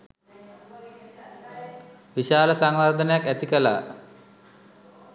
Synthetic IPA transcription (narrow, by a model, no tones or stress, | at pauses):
ʋiʃaːləsaŋʋard̪ənəjakæt̪ikəla̰ː